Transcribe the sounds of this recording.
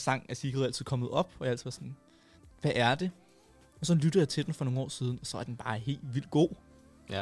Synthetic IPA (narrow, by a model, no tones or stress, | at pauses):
sɑ̈ŋ̰æsiɡ̥ðˠælt͡sið̰ˠkʰɒ̽mð̩ˠɒ̽b̥ɒjɑ̈æl̰t͡sʰð̩ˠðˠʋɑsɒn | ʋæʔæɐd̥e̝ | ɒ̽sɒ̽nlyɾ̥ð̩ˠjɑ̈ɪt͡sʰe̝d̥enfɒ̽no̝ːŋnɒ̰ːsiːð̞ˠn̩ɒ̽sɒ̽æɐd̥enb̥ɑ̈ːhe̝̰ːldʋil̰d̥̚ɡ̥o̝̰ː